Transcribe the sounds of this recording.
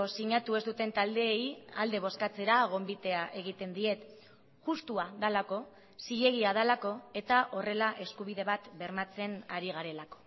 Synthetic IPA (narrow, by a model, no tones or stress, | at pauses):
osiɲat̪ue̞zd̪ut̪e̞nt̪ald̪e̞ːjald̪e̞β̞o̞skat͡se̞ɾaɣ̞o̞mbit̪e̞aʔe̞ɣ̞it̪e̞nd̪ie̞t̪ | ʝust̪uaðalako̞ | siʎe̞ɣ̞iaðalako̞e̞t̪aʔo̞re̞laʔe̞skuβiðe̞βat̪be̞ɾmat͡se̞naɾiɣ̞aɾe̞lako̞̥